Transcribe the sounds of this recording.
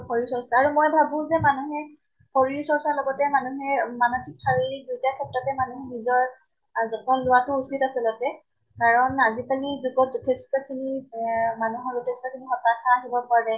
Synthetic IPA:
xɔɹiɹsɔɹsaːɹumɔjbʱabʊ̃zɛmanuɦɛ | xoɹiɹsɔɹsalɔɡɔtɛmanuɦɛɹmanɔkʰik̚pʰaɹiidutiakʰɛptɔtɛmanuɦnizɔɹ | zɔkʰɔnlʊwatʊusitasilɔtɛ | kaɹɔnazikalizuɡɔtzɔtʰestɔkʰinimanuɦɔɹɔtʰestɔkʰinixɔtakʰaːɦibɔpaɹɛ

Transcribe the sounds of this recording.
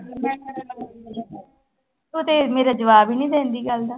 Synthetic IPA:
t̪ut̪eːmeːɾaːd͡ʒəʋaːbiːnĩːd̪ẽːnd̪iːɡəld̪aː

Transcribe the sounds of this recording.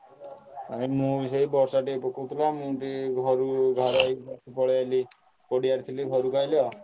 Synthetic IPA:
amimũbis̬ɔibɔɾsaʈipɔkut̪ʰlamũʈiɡʱɔɾuɡʱɔɾaibakʰipɔɭjali | kɔɽiaɾt̪ʰiliɡʱɔɾukajlɔ

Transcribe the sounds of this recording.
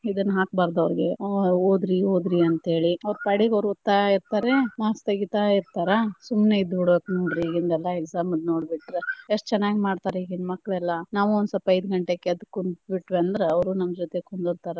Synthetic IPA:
id̪ɐnːɦaːk̚baːɾd̪ɐʋɾiɡeoːd̪ɾioːd̪ɾiɐnt̪ɐɦe̞ːɭiɐʋɾpɐɽiɡɐʋɾut̪ːaiɾt̪aːɾemaːst̪ɐɡit̪aiɾt̪aːɾɐsumneid̪uɽbeːknoːɖɾiiɡind̪ɛlːaekzaːmɐlno̞ːɽbiʈːɾeeʂʈːt͡ʃɛnːaːɡimaːɖt̪aːɾeiːɡinmɐkːɭɛlːɐnaːʋuond̪sɐpːɐjd̪ɡɐɳʈekːeɐd̪ukːunbiʈːʋeɐnd̪ɾeɐʋɾunɐmːd͡ʒɔt̪ekond̪ɾt̪aːɾe

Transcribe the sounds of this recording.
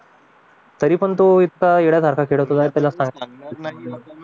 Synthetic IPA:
t̪əɾiːpəɳt̪oit̪̚kaeɽjat̪aɾkʰakʰeɽəʋt̪ʰot̪ajt̪jalasãŋɡaŋ

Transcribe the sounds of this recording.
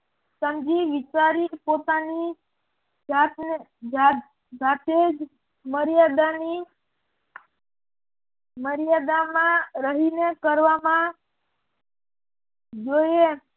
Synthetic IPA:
səmd͡ʒiʋɪt͡ʃaɾipot̪ani | d͡ʒat̪nd͡ʒa | d͡ʒat̪ʰed͡ʒ | məɾjad̪ani | məɾjad̪amãɾəɦinekəɾʋamã | d͡ʒoje

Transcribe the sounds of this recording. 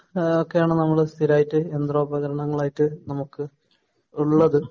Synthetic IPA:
okːe̞jaːɳɨnɐmːɐɭst̪ʰiɾaːjitːɨend̪ro̞ːbɐɣɐɾɐɳɐŋːɐɭaːjitːɨnɐmukːɨ | uɭːɐðɨ

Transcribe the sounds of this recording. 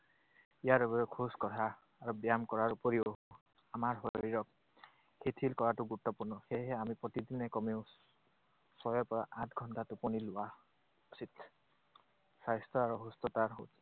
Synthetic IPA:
ijaɾebɔkʰuskɔtaː | ɹubjamkɔɹaɹupɔɾio | amaɹɦɔɾiɹɔk̚ | ket̪ʰilkɔɹatuɡuɾtːɔpuɹnɔxeɦeamipɹɔt̪id̪inɛkɔmeʊ | sɔjɔpɔɹaʔatʰɡʱɔntatupɔnilʊwa | ɔsit̪ | sajst̪ɔaɹuɦust̪ɔt̪aɹɦo̰tʰ

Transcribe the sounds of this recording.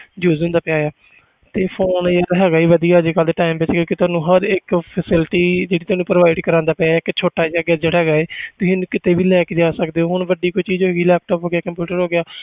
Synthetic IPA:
d͡ʒuːzõːnd̪aːpɪjaːjaː | t̪eːpʰoːnəɾɦɛːɡaːiːʋəd̪ijaːd͡ʒekəld̪eːʈaːɪmʋɪt͡ʃkjõːkit̪ʊaːnũːɦəɾɪkpʰəsɪlʈiːd͡ʒeːɽiːʊaːnũːpɾəʋaːɪɖkəɾãːnd̪aːpɪaɪkt͡ʃʰoːʈaːd͡ʒaɡaːd͡ʒeːɽaɦɛːɡaːeːt̪ʊsĩːnũːkɪt̪eːʋiːlɛːkeːd͡ʒaːsəkd̪eːɦoːɦʊɳʋəɖiːkoit͡ʃiːzɦoːɡiːlɛːp̚ʈɔːpɦoːɡɪjaːkəmpjuːʈəɾɦoːɡɪjaː

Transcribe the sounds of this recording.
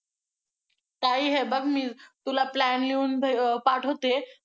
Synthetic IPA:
t̪aiɦebəɡmiːt̪ulaplænliuːnʱpaʈʰət̪e

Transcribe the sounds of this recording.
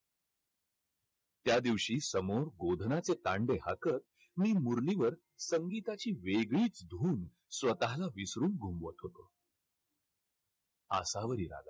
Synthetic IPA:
t̪jad̪iʋɕiːsəmoɾɡod̪ʱnat͡set̪aɳɖeɦakət̪̚ | miːmuɾliʋəɾ | səŋɡit̪at͡ɕiːʋeɡɭiːt͡sd̪ʱuːn | sʋət̪aɦlaʋisɾuːmɡʱumʋət̪ɦot̪o | ə̰saʋəɾiːɾa̰ɡ̪a̰

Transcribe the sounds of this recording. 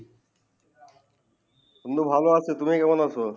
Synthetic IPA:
onːobʱaloat͡ɕʰet̪umikɛmonaʃʰo

